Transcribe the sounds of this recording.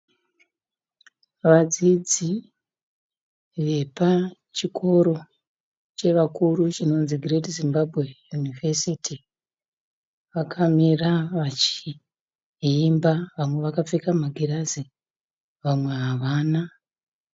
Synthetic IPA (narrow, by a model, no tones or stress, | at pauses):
ʋad͡zid͡zi | ʋe̞pa | t͡ʃikʰo̞ɾo̞ | t͡ʃe̞ʋakurut͡ʃino̞nziɡretizimbabʱwe̞junivesiti | ʋakʰamiraʋat͡ʃi | imbaʋamwe̞ʋakap͡fikamaɡʱirazi | ʋamwe̞ɦaʋaːna